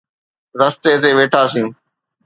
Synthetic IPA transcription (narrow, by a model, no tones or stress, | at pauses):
ɾəst̪eːt̪eːʋeːʈʰaːsĩũː